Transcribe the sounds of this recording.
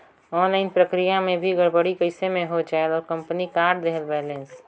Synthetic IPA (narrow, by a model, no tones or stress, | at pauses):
ɔːnlaɪnpɾəkɾijamẽbʱiɡəɾbəɽikəɪsemẽɦot͡ʃaːelɔːɾkə̃mpnikaːɾɖd̪eɦəlbɛːlẽns